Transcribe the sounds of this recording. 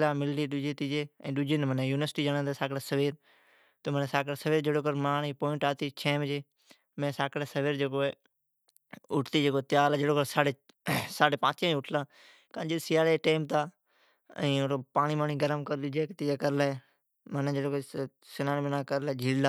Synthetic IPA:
laːmɪlːiːɗʊd͡ʒeːt̪iːd͡ʒeːɛ̰̃ːɗʊd͡ʒenmənẽjuːnʋəɾsʈiːd͡ʒaːnãːd̪aːsaːkɽasəʋiːɾ | t̪oməneːsaːkəɽaːsəʋiːɾd͡ʒeːɽoːk̬əɾmaːɳiːpoːɪ̃ɳʈaːt̪iːt͡ʃʰẽːmd͡ʒeː | mɛ̃ːsaːkəɽaːsəʋiːɾd͡ʒeːkoːe | ʊʈʰt̪iːd͡ʒeːkoːt̪ɪjaːlaːd͡ʒeːɽoːkəɾsaːɽeː | saːɖeːpãːt͡ʃãːʊʈʰlãː | kãːd͡ʒisɪjaːleːʈẽːmt̪aː | ɛ̰̃ːoopaːɳiːmaːɳiːɡəɾəmkəɾɗʊd͡ʒeːkt̪id͡ʒaːkəɾlae | mənẽːd͡ʒeːɽoːko | sɪnaːnːbənãːkəɾlaeːd͡ʒʱiːlaː

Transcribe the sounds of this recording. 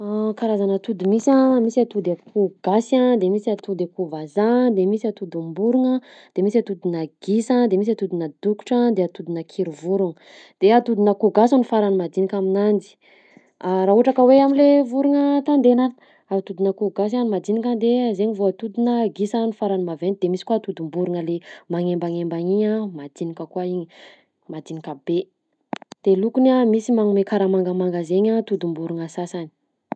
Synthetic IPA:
akaɾazanət̪ud̪umisãmisiat̪ud̪akʰuɡasad̪emisat̪ud̪akuvazad̪emisiat̪ud̪umbuɾuŋəd̪̥emisat̪ud̪unaɡ̥isad̪emis̬at̪ud̪unəd̪uku̥ʈ͡ʂad̪eat̪ud̪inakʰiɾuvuɾuŋə | d̪̥eat̪ud̪unakuɡasanifaɾanimad̪inikʲaminand̪i̥ | aɾaɦuʈ͡ʂakəweamilevuɾuŋət̪and̪enan | at̪ud̪unəkuɡas̬animad̪inikʲand̪ezeɲivoat̪ud̪unəɡisanifaɾanimavenid̪emisi̥kuat̪ud̪umbuɾunəlemaŋembaŋembaɲiɲamad̪̥inikʲəkuaiɲə | mad̪inikʲabe | d̪̥elukunamisimaŋmekaɾamaŋɡəmaŋɡazeɲat̪ud̪umbuɾuŋasasani̥

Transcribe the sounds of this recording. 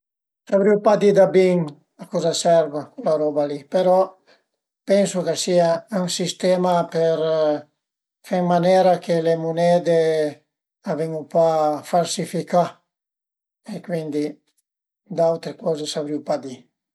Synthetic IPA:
sabɾiwpad̪id̪abiŋ | akɔzasɛɾvakulaɾɔbalipeɾɔ | pɛnsokesiayŋsist̪emapeɾ | fɛŋmanɛːɾakelemunɛːd̪e | avɛŋupafalsifika | ekwind̪i | d̪awt̪ɾekɔzesabɾiwpad̪i

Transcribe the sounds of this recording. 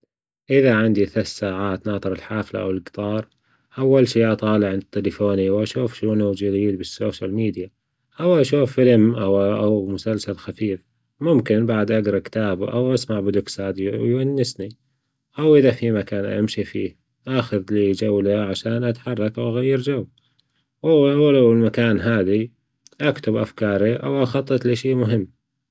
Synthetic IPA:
ʔɪðaʕɪnd̪iθasaːʕaːt̪nɑːt̪ˤɨɾɪlħaːfla̰ʔa̰wɪlɡt̪ˤɑːɾˤ | ʔawːalʃiːʔɑt̪ˤɑːlɪʕnt̪ːɪlɪfoːniwʔaʃuːfʃunud͡ʒɪd̪iːd̪bɪsːoːʃalmiːd̪ja | ʔawʔaʃuːfːɪlmʔawʔawmʊsalsalxafiːf | mʊmkɪnbaʕd̪ʔaɡɾˤɑkɪ̥t̪aːbuʔa̰wʔasmaʕbɪd̪ʊksaːd̪jwjanːɪsni | ʔawʔɪðafimakaːnʔa̰mʃifiːh | ʔaxʊðliːd͡ʒawlaʕaʃaːnʔat̪ħɑrˤːɑkʔawʔaɣajːɪɾd͡ʒaw | wawalawlmakaːnɦaːði | ʔakt̪ʊbʔa̰fkɑːɾˤiʔa̰wʔaxɑt̪ˤːɨt̪liʃeːʔmʊɦɪmː

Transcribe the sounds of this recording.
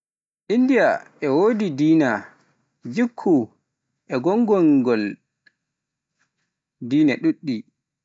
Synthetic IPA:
ʔindijaʔɛwoːdidiːna | d͡ʒikʰːu | ʔɛɡɔŋɡɔŋɡɔl | diːnaɗuɗːi

